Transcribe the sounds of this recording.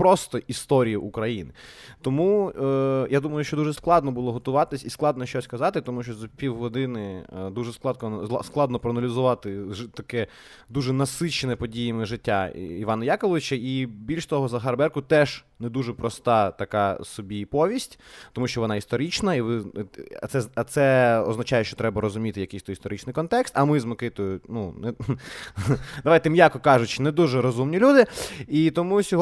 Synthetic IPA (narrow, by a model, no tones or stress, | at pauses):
pɾɔst̪ɔʔist̪ɔɾʲijiʔukɾɐjinɪt̪ɔmu | jad̪umɐjʊʃt͡ʃɔd̪uʒɛsklˠɑd̪nɔbʊlˠɔɦɔt̪ʊʋɑt̪ɪsʲisklˠɑd̪nɔʃt͡ʃɔsʲskɐzɑt̪ɪt̪ɔmuʃt͡ʃɔzɐpʲiwɦɔd̪ɪnɪd̪uʒɛsklˠɑd̪kɔn̰ˠsklˠɑd̪nɔpɾɔɐnɐlʲizʊʋɑt̪ɪt̪ɐkɛ | d̪uʒɛnɐsɪt͡ʃenɛpɔdʲijɐmɪʒɪtʲːaiʋɑnɐjɑkɔlˠɔʋɪt͡ʃɐibʲilʲʃt̪ɔɦɔzɐɦɐrbɛrkʊt̪ɛʒ | nɛd̪uʒɛpɾɔst̪ɑt̪ɐkɑsɔbʲipɔʋʲisʲtʲt̪ɔmuʃt͡ʃɔʋɔnɑist̪ɔɾit͡ʃnɐiʋɪ̰t̪sɛɐt̪sɛɔznɐt͡ʃɑjɛʃt͡ʃɔt̪ɾɛbɐɾɔzʊmʲit̪ɪjɐkɪjst̪ɔjist̪ɔɾɪt͡ʃnɪjkɔnt̪ɛkst̪ɐmɪzmɔkɪt̪ɔjʊnunɛ | d̪ɐʋajt̪ɛmjɑkɔkɑʒʊt͡ʃnɛd̪uʒɛɾɔzumnʲilʲud̪ɪit̪ɔmusʲɔɦ